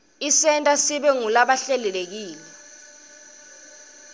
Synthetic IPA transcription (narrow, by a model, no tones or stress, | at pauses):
isɛntʼasiɓɛŋulaɓaɬɛlɛlek̬iːlɛ